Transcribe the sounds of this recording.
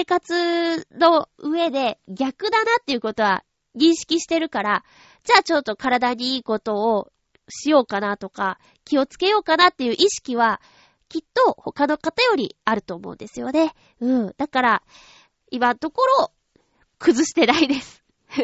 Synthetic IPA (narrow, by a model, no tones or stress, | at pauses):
eːkat͡sɨno̞ɯ̟e̞d̪e̞ɡʲakɯ̟d̪anat̪ːe̞jiɯ̟ko̞t̪o̞βa̰ | ɲ̟ĩɰ̃ɕi̥kʲiɕi̥t̪e̞ɾɯ̟kaɾa | d͡ʑaːt͡ɕo̞t̪ːo̞kaɾad̪aɲ̟iiːko̞t̪o̞ː | ɕijo̞ːkanat̪o̞ka | kʲio̞t͡sɨ̥ke̞jo̞ːkanat̪ːe̞jɯ̟ːʔiɕi̥kʲiβ̞a | kʲit̪ːo̞ho̞kano̞kat̪ajo̞ɾʲḭaɾɯ̟t̪o̞ːmo̞̰nd̪e̞sɨjo̞̰ne̞ | ɯ̟ːd̪̥akaɾa | imat̪o̞ko̞ɾo̞ː | kɯ̟zɨɕi̥t̪e̞naid̪e̞sɨ̥